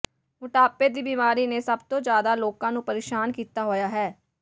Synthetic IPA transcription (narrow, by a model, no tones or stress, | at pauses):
mʊʈaːpeːd̪iːbiːmaːɾiːneːsəbt̪õːd͡ʒjaːd̪aːloːkãːnũːpəɾeːʃaːnkiːt̪aːɦoːjaːɦɛː